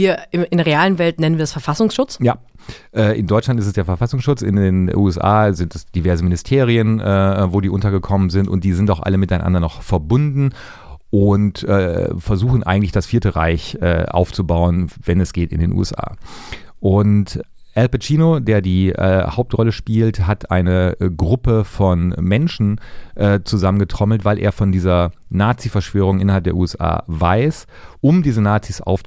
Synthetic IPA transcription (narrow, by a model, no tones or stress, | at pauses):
viːɐɪmɪndʁeaːlənvɛltnɛnən̩viɐdasfɛɐfasʊŋsʃʊt͡sjaː | ʔɛːʔɪndɔʏt͡ʃlantɪstɛsd̥eːɐfɛɐfasʊŋsʃʊt͡sɪ̰ndeːnʔṵɛsʔa̰ːzɪnt̚d̥asd̥ivɛɐzəmɪnɪstʰeːʁiənʔɛːvoːdiːʔʊntɐɡəkʰɔmənzɪntʊ̰nt̚d̥iːzɪntaʊxʔa̰ləmɪtaɪnʔa̰ndɐnɔχfɛɐbʊndn̩ | ʔʊntʔɛːfɛɐzuːxn̩ʔa̰ɪɡŋ̩tlɪçd̥asfiːɐtəʁa̰ɪçʔɛ̰ːʔa̰ʊft͡subaʊənvɛnɛsɡ̥eːtɪndeːnʔṵːɛ̰sʔa̰ːʔʊnt | ʔɛlpɛt͡ʃiːnodeːɐdiːʔɛ̰ːhaʊp̚tʁɔləʃpiːltɦatʰʔaɪnəɡʁʊpəfɔnmɛnʃn̩ʔɛːt͡suzamənɡətʁ̥ɔml̩tv̥aɪlʔḛːɐfɔndiːzɐ | naːt͡sifɛɐʃv̥øːʁʊŋʔɪnɐhalp̚d̥eːɐʔuːɛsʔa̰ːvaɪsʔʊmdiːzənaːt͡sisʔa̰ʊf